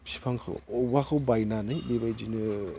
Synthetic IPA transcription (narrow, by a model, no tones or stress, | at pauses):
si̥pʰaŋkʰɯ̰ɔbakʰɯwbajnanɯjbebajd͡ʒinɯ